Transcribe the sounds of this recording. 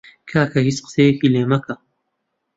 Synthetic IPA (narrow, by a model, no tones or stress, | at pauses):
kʰaːkʰɐhit͡sqɨ̥sejɐkileːmɐkʰɐ